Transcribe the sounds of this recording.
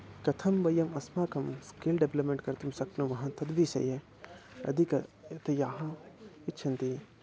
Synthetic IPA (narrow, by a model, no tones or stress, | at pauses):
kɐt̪ʰɐmbɐjɐmɐsmaːkɐmskeːlɖeblɐpmẽɳʈkɐɾt̪umsɐknumɐɦãːt̪ʰɐd̪bisɐ̰je | ɐ̰d̪ikɐt̪ɐjaːɦãitːt͡ʃʰɐnt̪ie